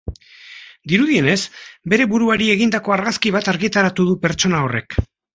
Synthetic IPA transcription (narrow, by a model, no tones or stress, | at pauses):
d̪iɾuðie̞ne̞sbe̞ɾe̞βuɾuaɾie̞ɣind̪ako̞aɾɣaskiβ̞at̪aɾɣit̪aɾat̪uðupe̞ɾt͡ʃo̞nao̞re̞̰k